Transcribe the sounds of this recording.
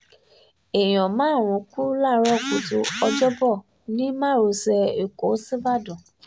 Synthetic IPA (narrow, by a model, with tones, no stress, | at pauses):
e˨j̃ɔ̃˨mãː˨˦˨ɾ̃ũ˨˧˦ku˦la˦˨ɾɔ˦˨ku˨tu˧ɔ˧d͡ʒɔ˦bɔ˦˨ | nĩ˦mãː˦˨ɾo˧sɛ˧e˨ko˨˦si˦ba˦˨dɔ̃˨